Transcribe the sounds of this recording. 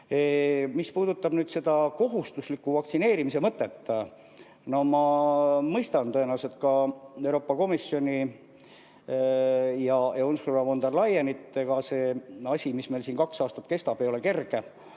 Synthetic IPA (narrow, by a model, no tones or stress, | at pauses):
emispuːd̪ut̪ːˑɑb̥nyːd̪se̞d̪̥ɑko̞ɦust̪uslikːˑuvɑktsine̞ːɾimise̞mɤt̪ːˑet̪ː | no̞mɑmɤjst̪ɑnt̪o̞enɑwse̞t̪kɑewɾo̞ːpːˑɑko̞misjo̞nʲi | jɑjɑunsuɾɑvo̞nd̪erlɑjenit̪ːˑeɡ̥ɑse̞ːɑsʲimisme̞lsiːnkɑksɑːst̪ɑt̪ke̞st̪ɑb̥e̞jo̞le̞ke̞rɡ̥e̞